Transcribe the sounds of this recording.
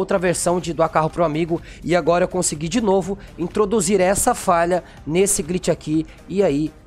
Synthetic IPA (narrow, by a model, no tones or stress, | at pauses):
wt̪ɾɐveɾsɐ̃w̃d͡ʒɪd̪wakaɦʊpɾʊamiɡʊ | ɪaɡɔɾɐkõsɪɡid͡ʒɪnovʊĩt̪ɾod̪uziɾɛsɐfaʎɐ | nesɪɡɾit͡ʃɪakʰi | ɪai